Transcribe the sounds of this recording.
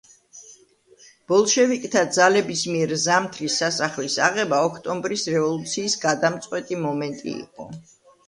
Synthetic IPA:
b̥ɔlˠʃɛvikʼt̪ʰad̪zalɛbismiɛɾzamt̪ʰɾisːasaχlisa̰ʁɛbaɔkʰt̪ʼɔmbɾisɾɛvɔlˠut̪sʰiːsɡad̪amt̪sʼqʼwɛt̪ʼimɔmɛnt̪ʼḭːqʼɔ̰

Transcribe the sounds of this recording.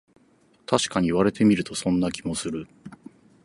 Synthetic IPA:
t̪ʰaɕi̥kaɲ̟iːβaɾe̞t̪e̞mʲiɾɯ̟t̪o̞sõ̞nːakʲimo̞sɨɾɯ̟

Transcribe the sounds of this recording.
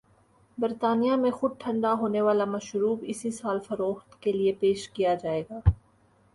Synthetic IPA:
bɐɾt̪aːnijamẽxʊd̪̚ʈʰɐ̃ɳɖaɦoːneʋaːlamɐʃɾuːbɪsisaːlfɐɾoːxt̪keliepeːʃkijad͡ʒaːeːɡaː

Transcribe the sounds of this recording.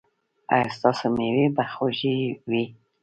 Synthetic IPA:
a̰jst̪ɑsomewibaxoʒiwi

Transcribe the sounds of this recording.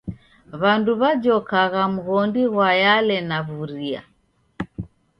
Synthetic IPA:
βanduβad͡ʒɔkaɣamuɣɔndiɣwajalɛnaβuɾia̰

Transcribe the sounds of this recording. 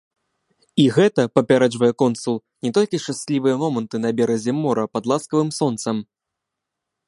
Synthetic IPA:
iɣɛt̪ɐpɐpʲaɾɛd͡ʐvɐjɛkɔnsulˠ | nʲɛt̪ɔlʲkʲiʂt͡ʂasʲlʲivɨjɛmɔmɐnt̪ɨnɐbʲɛɾɐzʲɛmɔɾɐpɐd̪lˠaskɐvɨmsɔnt̪sɐm

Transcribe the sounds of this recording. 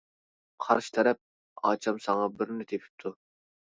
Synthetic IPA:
qʰɑ̰ɾʃi̥t̪ʰɛɾɛp̚ | ɑ̰ːt͡ʃʰɑmsɑŋɑbɪɾnɪt̪ʰepʰɪ̥p̚t̪ʰu

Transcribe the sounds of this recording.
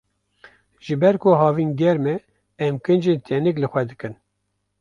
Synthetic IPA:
ʒ̥ɨbɛɾkoɦɑːviːnɡɛɾmɛ | ɛmkɨnd͡ʒeːnt̪ʰɛnɨklɨxʷɛd̪ɨkɨn

